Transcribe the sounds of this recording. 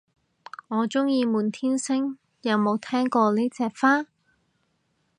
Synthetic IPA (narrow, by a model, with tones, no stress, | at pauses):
ŋɔː˨˧t͡sʊ˥ŋjiː˧muː˨˧nt̪ʰiː˥nsɪ˥ŋ | jɐ˨˧wmo˨˧wt̪ʰɛː˥ŋkɔː˧le˨˥t͡sɛː˨˧k̚faː˥